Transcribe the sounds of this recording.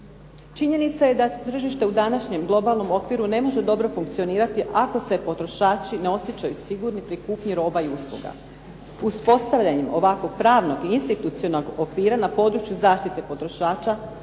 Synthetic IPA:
t͡ʃiɲe̞nit̪saje̞d̪at̪r̩ʒiʃt̪e̞ud̪anaʃɲe̞mɡlˠo̞balˠno̞mo̞kʋiɾune̞mo̞ʒe̞d̪o̞bɾo̞fuŋk̚t̪sio̞niːɾat̪iʔako̞se̞po̞t̪ɾo̞ʃaːt͡ʃineo̞sjet͡ɕajusiɡuɾnipɾikuːpɲiɾo̞ːbaiuslˠṵɡa̰ | uspo̞st̪aʋʎaɲemo̞̰ʋakʋo̞ɡ̥̚pɾaːʋno̞ɡiinst̪it̪ut̪sio̞no̞ɡokʋiːɾanapo̞d̪ɾut͡ʃjuzaːʃt̪it̪e̞po̞t̪ɾo̞ʃaːt͡ʃa

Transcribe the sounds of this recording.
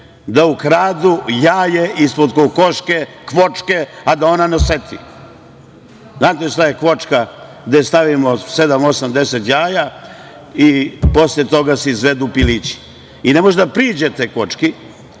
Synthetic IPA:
d̪aukɾaːd̪ujaːjeʔispod̪koko̞ʃke | kʋo̞t͡ʂke̞ad̪ao̞naneoset̪ʰḭ | znaːt̪eʃt̪aje̞kʋo̞t͡ʂkaɡd̪est̪aʋimo̞se̞d̪amosamd̪eset̪jaːja | ipo̞slet̪o̞ɡaseizʋed̪upilit͡ɕi̥ | ine̞moʒd̪apɾiːd͡ʑet̪ekʋo̞t͡ʂki

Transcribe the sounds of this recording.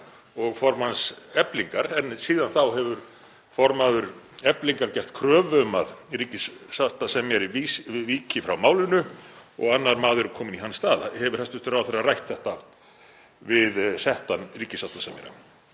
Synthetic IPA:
ɔɣfɔɾmhansɛpliŋkaɾɛnsiːðanθawɦɛvʏɾ | fɔɾmaðʏɾ | ɛpliŋkaɾcɛht̪kʰɾœːvœmaðɾiːcɪsːaht̪asɛmjɛɾɪvisɪviːcɪfɾawmaːwlɪnʏɔ̰ɣanːaɾmaːðʏɾʏkʰɔːmɪniɦanst̪aːða̰hɛvʏɾ̥hɛst̪ʏht̪ʏɾawaθɛrːarajht̪θɛht̪a | vɪðsɛht̪anriːcɪsawht̪asɛmjɛ̰ɾa̰

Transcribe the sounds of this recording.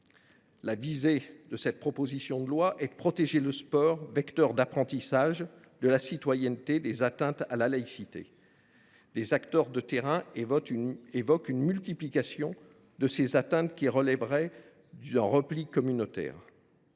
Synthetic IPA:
lavized̪əsɛt̪̚pχɔpozisjɔ̃d̪əlwaʔɛd̪əpχɔt̪eʒeləspɔːʁvɛkt̪œʁd̪apχɑ̃t̪isaʒ | d̪əlasit̪wajɛnt̪ed̪ezat̪ɛ̃t̪alalaisit̪ḛ | d̪ezakt̪œʁd̪ət̪eʁɛ̃ | evɔkynmylt̪iplikasjɔ̃ | d̪əsezat̪ɛ̃t̪kʲiʁəlɛbʁɛ | ɛ̃ʁəplikɔmynot̪ɛ̰ːʁ

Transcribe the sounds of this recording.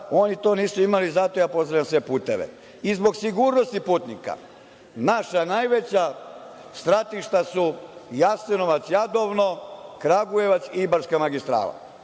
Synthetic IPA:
o̞nit̪o̞ːniːsuimalizat̪o̞jaːpo̞zɾaʋjamsʋe̞puːt̪eʋḛ | izbo̞ɡsiɡuɾnost̪ipuːt̪nika̰ | naʃanajʋe̞t͡ɕa | st̪ɾat̪iʃt̪asujasenoʋat̪sjad̪oʋnokɾaɡuje̞ʋat̪sibaɾskamaɡist̪ɾa̰ːla̰

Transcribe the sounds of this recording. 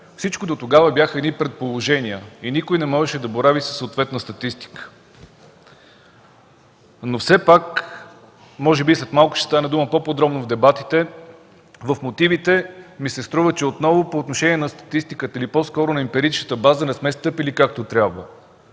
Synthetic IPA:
fsit͡ʃkod̪ot̪oɡavəbjaxəɛd̪nipɾɛt̪̚polˠoʒɛniəinikojnɛmɔʒɛʃɛd̪ɐboɾavisə̥sːot̪vɛt̪nəst̪ɐt̪ist̪i̥kə̥ | nofsɛpak | mɔʒɛbislɛt̪malˠkʊ̥ʃɛ̥st̪anɛd̪uməpopod̪ɾɔbnovd̪ɛbat̪it̪ɛ | vəfmot̪ivit̪ɛmisɛst̪ɾuvət͡ʃɛot̪nɔvopoːt̪noʃɛnʲiɛnɐst̪ɐ̥t̪ist̪ikət̪əilipɔskɔɾʊnɐimpɛɾit͡ʃnət̪əbazənɛsmɛst̪ɤpilikak̚t̪ot̪ɾʲjabvə

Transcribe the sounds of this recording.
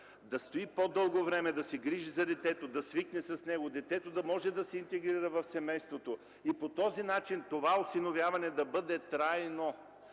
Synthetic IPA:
d̪ɐst̪oipod̪ɤlˠɡovɾɛmɛd̪ɐsɛɡɾiʒizɐd̪ɛt̪ɛt̪od̪ɐsviknɛsɐsnɛɡod̪ɛt̪ɛt̪od̪ɐmɔʒɛd̪ɐsɛint̪ɛɡɾiɾɐvɐfsɛmɛjst̪vot̪o | ipot̪ɔzinat͡ʃint̪ovaosinovʲjavɐnɛd̪ɐbɤd̪ɛt̪ɾajno

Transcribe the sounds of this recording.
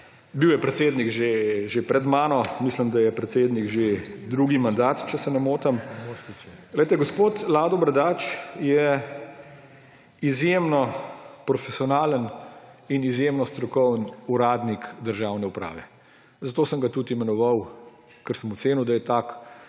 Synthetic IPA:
biwjɛpɾɛt̪seːd̪nikʒeʒepɾɛd̪maːnɔmisləmd̪ajɛpɾɛt̪seːd̪niɡʒed̪ɾuːɡimand̪aːt̪t͡ʃɛsɛnamoːt̪əm | ɣlɛjt̪ɛɡospoːt̪laːd̪ɔbɾɐd̪aːt͡ʃjɛ | izjemnɔpɾɔfɛsiɔnaːləninizjemnɔst̪ɾɔkɔwnuɾaːd̪nikd̪əɾʒaːwnɛupɾa̰ːʋɛ | zat̪oːsəŋɡat̪ut̪imɛnɔʋaw | kəɾsəmɔtseːniwd̪ajɛt̪ak

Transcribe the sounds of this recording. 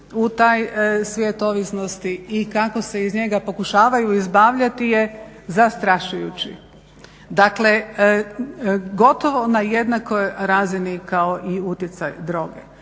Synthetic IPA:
ut̪aːjsʋʲjet̪o̞ʋisnost̪iːkako̞se̞izɲe̞ɡapo̞kuʃaːʋajuizbaːʋʎat̪ije | zast̪ɾaʃujut͡ɕḭ | d̪akle̞ | ɡo̞t̪o̞ʋo̞naje̞d̪nako̞jɾaːzinikaoʔiut̪jet̪sa̰jd̪ɾo̞ːɡḛ

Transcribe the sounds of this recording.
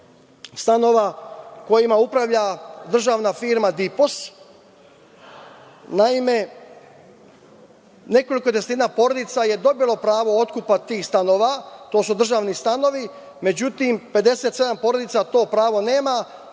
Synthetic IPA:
st̪ano̞ʋako̞jimaupɾaʋʎad̪r̩ʒaːʋnafiːɾmad̪ipos | naime̞ | ne̞ko̞liko̞t̪est̪inapo̞ɾod̪it̪saje̞d̪o̞bilˠo̞pɾaːʋo̞ot̪kupat̪iːxst̪ano̞ːʋat̪o̞ːsud̪r̩ʒaːʋnist̪ano̞ʋi | me̞d͡ʑut̪impe̞d̪e̞set̪se̞d̪ampo̞ɾo̞d̪it̪sat̪o̞ːpɾaːʋo̞ne̞ːma

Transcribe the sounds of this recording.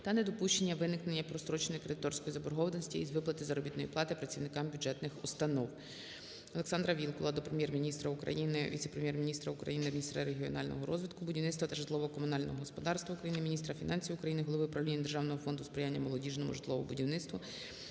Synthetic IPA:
t̪ɐnɛd̪ɔpuʃt͡ʃenʲːɐʋɪnɪknenʲːɐpɾɔst̪ɾɔt͡ʃnɔjkɾɪt̪ɔrsʲkɔjizɐbɔrɦɔʋld̪nɔsʲtʲiizʋɪplˠɐt̪ɪzɐɾɔbʲit̪nɔjiplˠɑt̪ɪpɾɐt͡sʲiwnɪkɑmbʲʊd͡ʒɛt̪nɪxʊst̪ɐnɔw | ɔlˠeksɑnd̪ɾɐʋʲilˠkɔlˠɐd̪ɔpɾemjɛrmʲinʲist̪ɾɐʊkɾɐ̰jinɪʋʲḭt̪sɛpɾemjɛrmʲinʲist̪ɾɐʊkɾɐ̰jinɪmʲinʲist̪ɾɐɾeɦʲiɔ̰nɑlʲnɔ̰ɦɔɾɔzʲʋʲid̪kʊbʊdʲiwnɪt̪st̪ʋɐt̪ɐʒɪt̪lˠɔʋɔɦɔkɔmʊnɑlʲnɔ̰ɦɔɦɔspɔd̪ɑrst̪ʋɐukɾɐjinɪmʲinʲist̪ɾɐfʲinʔɑnʲsʲijʊkɾɐjinɪɦɔlˠɔʋɪpɾɐʋlʲinʲːɐd̪erʒɑwnɔɦɔfɔnd̪ʊspɾɪjanʲːɐmɔlˠɔdʲiʒnɔmʊ̰ʒɪt̪lˠɔʋɔbʊdʲiwnɪt̪st̪ʋʊ

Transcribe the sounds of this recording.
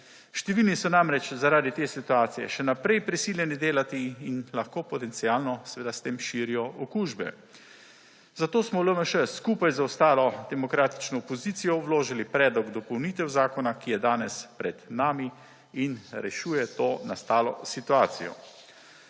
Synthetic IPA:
ʃt̪ɛʋiːlnisɔnamɾɛt͡ʃzaɾaːd̪it̪eːsit̪uaːt̪sijɛ̰ʃɛnapɾɛjpɾisiːljɛnid̪eːlat̪iːnlaxkoːpɔt̪ɛnt̪sijaːlnɔsɛʋeːd̪ast̪eːmʃiːɾijɔʔɔkuʒbɛ̰ | zat̪oːsmɔləməʃəskuːpajzaɔst̪aːlɔd̪ɛmɔkɾaːt̪i̥t͡ʃnɔːpɔziːt̪sijɔwloːʒilipɾɛːd̪lɔɡd̪ɔpɔwniːt̪ɛwzaːkɔnakijɛd̪aːnɛspɾɛd̪̥naːmi | inɾɛʃuːjɛt̪oːnast̪aːlɔ̰sit̪uaːt̪sijɔ̰

